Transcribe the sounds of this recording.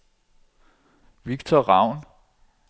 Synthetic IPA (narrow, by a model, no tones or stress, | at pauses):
ʋiɡ̥t͡sʰɒʁɑ̈ʊ̰n